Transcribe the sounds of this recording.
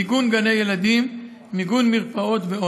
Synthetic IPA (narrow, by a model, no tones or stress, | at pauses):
iɡunɡanejelad̪imː | iɡunmiʁpao̞t̪veo